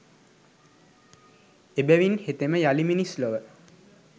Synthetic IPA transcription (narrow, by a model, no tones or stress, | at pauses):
ebæʋinhet̪eməjaliminisloʋə